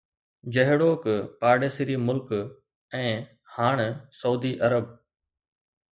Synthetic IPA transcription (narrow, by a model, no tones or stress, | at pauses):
d͡ʑəɦɽoːkpaːɖeːsɪɾiːmʊlk | ɛ̃ː | haːɳ̃sɐuːd̪iʔɐɾəb̚